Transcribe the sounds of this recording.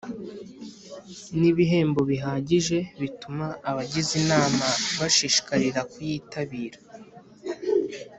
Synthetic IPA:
niβiɦe̞ːmbo̞βiɦaːɟiʒe̞βitumaːβaɟizinaːmaβaʃiʃi̥kaɾiɾakujiːtʰaβiːɾa

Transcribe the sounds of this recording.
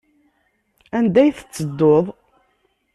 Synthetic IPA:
ænd̪æjθə̥t͡sːəd̪ːoðˤ

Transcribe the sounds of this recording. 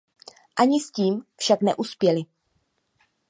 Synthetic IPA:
ʔaɲɪsciːmfʃaknɛ̰ʔuspjɛlɪ

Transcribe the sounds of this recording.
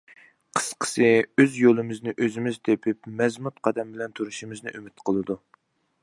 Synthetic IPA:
qʰə̥sqʰə̥sɨøzjolˠɨmɪznɪʔøzɪmɪzt̪ʰepʰɪpmɛzmut̪̚qʰɑd̪ɛmbɪlɛnt̪ʰuɾuʃimɪznɪʔymɪt̪qʰəlˠɨd̪u

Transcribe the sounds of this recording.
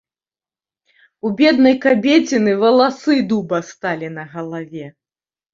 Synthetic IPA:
ubʲɛd̪̚nɐjkabʲet͡sʲinɨvɐlˠasɨd̪ubɐst̪alʲinɐɣɐlˠavʲɛ

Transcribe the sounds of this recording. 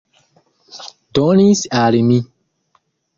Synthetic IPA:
dɔnisiaɾimĩ

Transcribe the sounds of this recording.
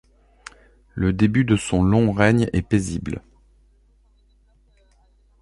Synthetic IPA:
ləd̪ebyd̪əsɔ̃lɔ̃ʁɛɲɛpezibl

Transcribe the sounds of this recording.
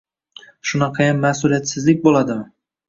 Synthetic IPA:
ʃʊnɑqʰɑjanmːasʊlijat̪sɪzlɪk̚ʲbolˠad̪ɪmɪ

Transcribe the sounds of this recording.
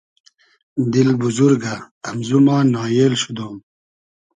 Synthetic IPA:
d̪ilɡ̚buzuɾɡɐː | mzumaːnɑːjeːlɕud̪oːm

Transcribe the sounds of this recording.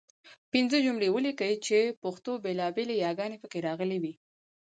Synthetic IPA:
pinzəd͡ʒʊmɽewəlikət͡ʃepəxt̪obelɑbelejɑɡɑnepəkeɾɑɣəliwi

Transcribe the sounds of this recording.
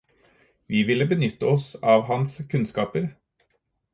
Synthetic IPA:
ʋiːʋɪlːəbənʏt̪ːəɔsɑːʋɦɑnskʰʉnskɑːpəɾ

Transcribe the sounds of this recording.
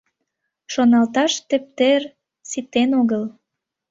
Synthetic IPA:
ʃonɑlt̪ɑʃt̪ĕp̚t̪er | sit̪enoɣəl

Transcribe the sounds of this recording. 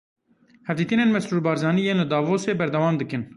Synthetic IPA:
hɛvd̪iːt̪ɨneːnmɛsɾuːɾbɑːɾzɑːnijeːnlɨd̪ɑːvoːseːbɛɾd̪ɛwɑːmd̪ɨkɨn

